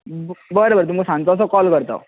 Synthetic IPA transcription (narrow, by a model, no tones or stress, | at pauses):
bʌjɾʌbʌɾit̪umkosant͡sʰʌsʰʌkʌlɡʌɾt̪ʌ̰